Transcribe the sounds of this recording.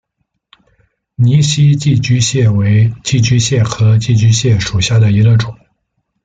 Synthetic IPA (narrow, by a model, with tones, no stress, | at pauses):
ni˧˥ɕi˥t͡ɕi˥˩t͡ɕy˥ɕjɛ˥˩we˧˥ɪt͡ɕi˥˩t͡ɕy˥ɕjɛ˥˩xʰɤ˧˥t͡ɕi˥˩t͡ɕy˥ɕjɛ˥˩ʂu˨˩ɕja˥˩d̪ə˩i˧˥ɡə˧ʈ͡ʂʊ˨˩˦ŋ